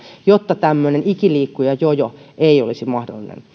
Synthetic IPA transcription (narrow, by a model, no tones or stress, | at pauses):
jot̪ːɑt̪æmːønenikiliːkːujɑjojoeiolisimɑhdo̰lːinḛn